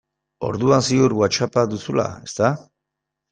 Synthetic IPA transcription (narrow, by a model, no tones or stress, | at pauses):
o̞̰ɾðuansiuɾɣwat͡ʃapaðusula̰e̞st̪a